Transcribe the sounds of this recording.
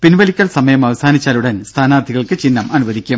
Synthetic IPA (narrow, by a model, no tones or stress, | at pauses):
pinʋɐlikʲːɐɭsɐmɐjɐmɐʋɐsaːnit͡ɕːaːluɽɐnst̪ʰaːnaːrd̪ʱiɣɐɭkɨt͡ɕinːɐmɐnuʋɐðʱikʲːum